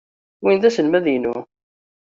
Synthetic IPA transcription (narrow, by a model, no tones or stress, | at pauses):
winðæsəlmæðjnʊ̰